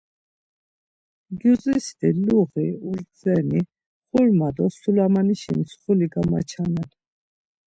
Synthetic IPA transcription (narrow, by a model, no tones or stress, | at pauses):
ɡjuzisd̪iluʁiuɾzɛni | χulmad̪ɔsulamaniʃinisχuliɡama̰t͡ʃʰanɛl